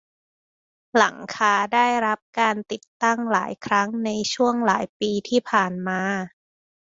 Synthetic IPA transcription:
la˨˩˦ŋkʰaː˧daː˥˩jɾa˦˥p̚kaː˧nt̪i˨˩t̪ːa˥˩ŋlaː˩˦jkʰɾa˦˥ŋna˧jt͡ɕʰu˥˩əŋlaː˩˦jpiː˧t̪ʰiː˥˩pʰaː˨˩nmaː˧

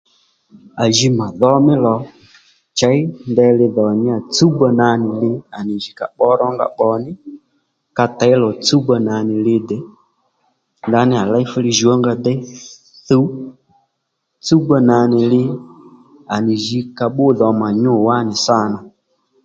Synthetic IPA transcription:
a˨ʒi˧ma˨ðɔ˦mɪ˦lɔ˨ | t͡ʃa˨˦i˦ndɛ˧lɪ˧ðɔ˨ɲɪ˦a˨t͡su˦ɡ͡ba˧na˨˧nɪ˨lɪ˧˦a˨nɪ˨ʒi˨ka̰˨ɓɔ˦ɾɔ˦ŋɡa̰˨ɓɔ˨˧nɪ˦ | ka˧ta˨˦i˦lɔ˨t͡su˦ɡ͡ba˧na˨nɪ˨lɪ˧˦dɛ˨ | nda˧˦nɪ˦a˨la˦i˦fu˦li˦ʒi˨ɔ˦ŋɡa˧dɛ˦ | θu˦ | t͡su˦ɡ͡ba˧na˨nɪ˨lɪ˦ | a˨nɪ˨ʒi˧ka˧ɓʊ˦ðɔ˨ma˨ɲʊ˦˨wa˦nɪ˨sa˦˨na˨

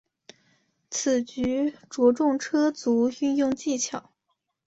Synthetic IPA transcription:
t͡s̩ʰ˨˩t͡ɕy˧˥ʈ͡ʂwɔ˧˥ʈ͡ʂʊ˥˧ŋʈ͡ʂʰɤ˥t͡su˧˥y˥˧njʊ˥˧ŋt͡ɕi˥˩t͡ɕʰjɑ˨˩˦ʊ

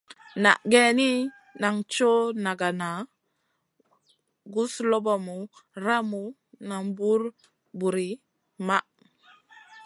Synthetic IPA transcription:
na̰˨ʔɡɛ˦ni˦ | na˨ŋt͡ʃo˦na˨ɡa˨na˨ | ɡu˦slo˦ba˨mu˨ɾa˦mu˨ | na˨ŋbu˦ɾ | bu˨ɾi˨˦ | ma˦ʔ

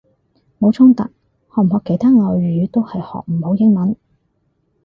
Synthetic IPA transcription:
mo˨˥wt͡sʰʊ˥ŋt̪ɐ̰˨k̚ | hɔː˨m̩˨˩hɔː˨˧kːe˨˧jt̪ʰaː˥ŋɔː˨˧ɥyː˨˧t̪o˥whɐ˨jhɔ̰ː˨k̚m̩˨˩ho˨˥wjɪ˥ŋmɐ˨˥n

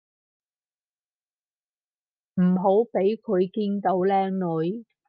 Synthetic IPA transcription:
m̩˨˩ɦo˨˥wpe˨˥jkʰɵ˨˧ɥkiː˥nt̪o˨˧wlɛː˥ŋnɵ˨˧j

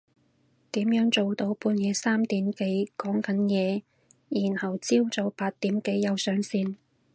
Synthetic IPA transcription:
t̪iː˨˥mjœː˨˥ŋt͡so˨wt̪o˧wpuː˧njɛː˨˧saː˥mt̪iː˨˥mke˨˥jkɔː˨˥ŋkɐ˨˥njɛː˨˧ | jiː˨˩nhɐ˨˩wt͡siː˥wt͡so˨˧wpaː˧t̚t̪iː˨˥mke˨˥jjɐ˨˧wsœː˨˥ŋsiː˧n

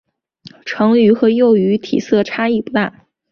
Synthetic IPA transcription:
ʈ͡ʂʰɤ˧˥ŋy˧˥xɤ˧˥jo˥˩ʊy˧˥t̪ʰḭ˨˩sɤ˥˩ʈ͡ʂʰa˥i˥˩pu˥˩t̪a˥˩

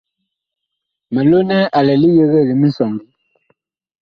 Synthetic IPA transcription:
mɛ˨lo˦nɛ˦a˨lɛ˨li˦je˦ɣə˦˨li˨mi˦n̩˦sɔ˨ŋbi˨˦

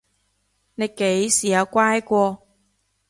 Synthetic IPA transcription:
ne˨˧jke˨˥jsiː˨˩jɐ˨˧wkʷaː˥jkʷɔː˧

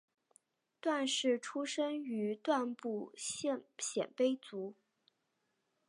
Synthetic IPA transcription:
t̪wa˥˧nʂɻ̩˥˩ʈ͡ʂʰu˥ʂə˥ŋy˧˥t̪wa˥˧npu˥˩ɕɛ˥˧˩nɕjɛ̰˨˩npe˥ɪt͡su˧˥

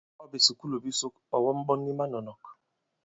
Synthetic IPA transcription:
ɔ˦be˨si˨ku˦lo˨bi˦so˦ka˨wɔ˦m˦bɔ˦nːi˦ma˦nɔ˨nɔ˨k

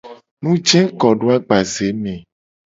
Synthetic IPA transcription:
nũ˦d͡ʒɛ̃˦kɔ˨ɖo˦a˦ɡ͡ba˨ze˨˦mẽ˨

